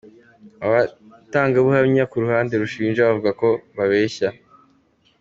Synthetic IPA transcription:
aβataːŋɡaβuhaβɲakuɾuhaːnde̞ɾuʃiːnʒaβavuɡako̞βaβe̞ːça

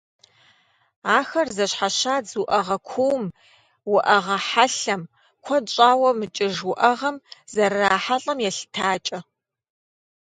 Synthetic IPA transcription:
aːxɐrzɐɕħaɕaːd͡zuʔɐʁɐkʷʰuwm | wʊʔɐʁɐħaɬɐm | kʷʰɔt͡ʃʼaːwɐmɨt͡ʃʼɪʒwʊʔɐʁɐmzɐrːaːħaɬʼɐmjɛɬtʰaːt͡ʃʼɐ

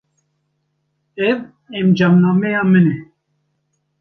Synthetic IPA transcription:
ɛv | ɛmd͡ʒɑːmnɑːmɛjɑːmɨnɛ

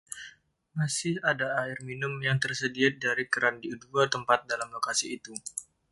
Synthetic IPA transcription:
masɪhadaaɪrminʊmjaŋt̪ərsədiat̪̚daɾikəɾandiuduat̪əmpat̪̚dalamlokasiːt̪u

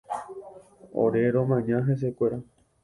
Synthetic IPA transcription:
o̰ɾeɾõmãɲãɦes̬ekʷeɾa

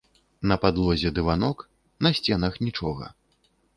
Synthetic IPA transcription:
nɐpad̪lˠɔzʲɛd̪ɨvanɔk | nɐsʲt͡sʲɛnɐxnʲit͡ʂɔɣɐ̰

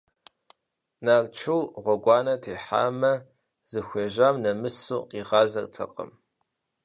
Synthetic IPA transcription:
naːrt͡ʃʰuwʁʷɔɡʷɑːnɐtʰeːħa̰ːmɐ | z̥ɨxʷeːʒaːmnɐmɨsuːqiːʁɑːzɐ̰rtʰɐ̰qə̰m

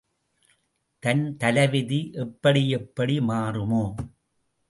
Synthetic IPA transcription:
t̪ɐnt̪ɐlɐʋɪðiʔɛpːɐɽijɛpːɐɽimaːrɯmoː

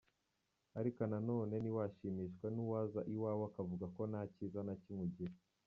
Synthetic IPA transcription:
aɾikonano̞ːne̞niwaʃiːmiːʃkwenuwazaʔiwaːwoakavuɡako̞naːcizanacimwuɟiɾ

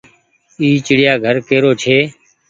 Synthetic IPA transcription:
iːt͡ʃɪɽɪjaːɡʱəɾkeːɾoːt͡ʃʰeː

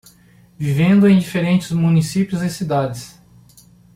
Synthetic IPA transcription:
vivẽnd̪ʊẽj̃d͡ʒifeɾẽnt͡ʃɪzmũnisipjʊzɪsid̪ad͡ʒɪs

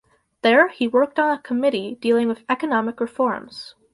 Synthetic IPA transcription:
ðə˞hiwɜ˞k̚tn̩əkʰəmɪɾid̥ilˠɪ̃ŋwɨðɛkɨnɑmɨkɹɨfɔɹmz̥

